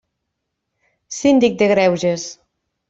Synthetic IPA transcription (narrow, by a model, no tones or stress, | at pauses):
sind̪ik̚d̪eɣɾɛwʒes